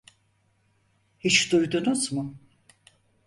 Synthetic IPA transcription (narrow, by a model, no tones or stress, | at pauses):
hit͡ʃd̪ujd̪unuzmʊ